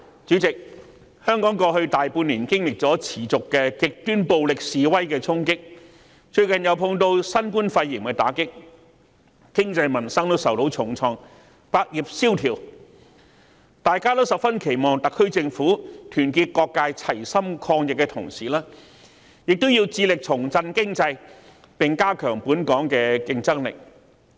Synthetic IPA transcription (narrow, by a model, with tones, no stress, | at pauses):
t͡ʃyː˨˥t͡sɪ˨k̚ | hœː˥ŋkɔː˨˥ŋkɔː˧hɵ˧ɥt̪aː˨jpuː˧nliː˨˩nkɪ˥ŋlɪ˨k̚t͡sɔː˨˥t͡sʰiː˨˩t͡sʊ˨kːɛː˧kɪ˨k̚t̪yː˥npo˧wlɪ˨k̚siː˨˧wɐ˥jkɛː˧t͡sʰʊ˥ŋkɪ˥k̚ | t͡ʃɵ˧ɥkɐ˨˩njɐ˨˧wpʰʊ˧ŋt̪o˧wsɐ˥nkuː˥nfɐ˧jːiː˨˩mkɛ˧t̪aː˨˥kɪ˥k̚ | kɪ˥ŋt͡sɐ˧jmɐ˨˩nsɐ˥ŋt̪o˥wsɐ˨wt̪o˨˧˥wt͡sʰʊ˨˩ŋt͡sʰɔː˧ŋ | paː˧k̚ji˨p̚siː˥wt̪ʰiː˨˩w | t̪aː˨jkaː˥lo˥sɐ˨p̚fɐ˥nkʰe˨˩jmɔː˨ŋt̪ɐ˨kʰːɵ˥ɥt͡sɪ˧ŋfuː˨˥t̪ʰyː˨˩nkiː˧t̚kɔː˧kːaː˧jt͡sʰɐ˨˩jsɐ˥mkʰɔː˧ŋjɪ˨k̚ːɛː˧t̪ʰʊ̰˨˩ŋsiː˨˩laː˥ | jɪ˨k̚t̪o˥wjiː˧wt͡siː˧lɪ˨k̚t͡sʰʊ˨˩ŋt͡sɐ˧nkɪ˥ŋt͡sɐ˧j | pɪ˨ŋkaː˥kʰœː˨˩ŋpuː˨˥nkɔː˨˥ŋkɛː˧kɪ˧ŋt͡sɐ˥ŋlɪ̰˨k̚